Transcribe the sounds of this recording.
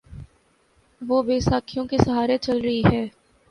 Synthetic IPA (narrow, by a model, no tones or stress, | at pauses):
ʋoːbeːsaːkʰijõkesɐɦaːɾet͡ʃɐlɾɐɦiɦɛː